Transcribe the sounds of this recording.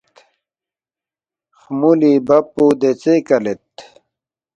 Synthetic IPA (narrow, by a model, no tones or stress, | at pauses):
xmulibɐpːud̪et͡sekɐlet̪